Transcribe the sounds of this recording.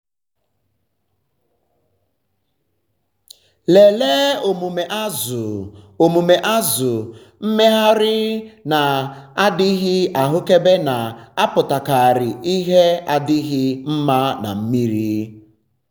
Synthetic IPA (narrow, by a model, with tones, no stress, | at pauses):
le˨le˦o˨mu˨me˨ʔa˦zʊ˨ | o˨mu˨me˨ʔa˦zʊ˨ | m̩˦me˦ɦa˦ɾɪ˦na˨a˦dɪ˦ɣɪ˦a˨ɦʊ˦ke˦be˦na˨a˦pʊ˨ta˨ka˨a˨ɾɪ˨ʔi˦ɦe˦a˦dɪ˦ɣɪ˦m̩˦ma˦na̰˨m̩˦mi˦ɾi˦